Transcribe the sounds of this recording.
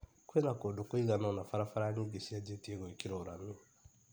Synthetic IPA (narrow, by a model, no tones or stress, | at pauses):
koinakodokoiɡanɔnafaɾafaɾaniɡesiad͡ʒetieɡoikiɾeoɾamĩ